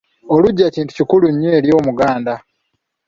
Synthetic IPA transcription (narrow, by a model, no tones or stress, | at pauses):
o̞luɟːaciːntu̥cikuluɲːeːljo̞ːmuɡaːnda